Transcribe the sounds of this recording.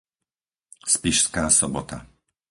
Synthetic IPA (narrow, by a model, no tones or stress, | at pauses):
spiʃskaːsɔbɔt̪a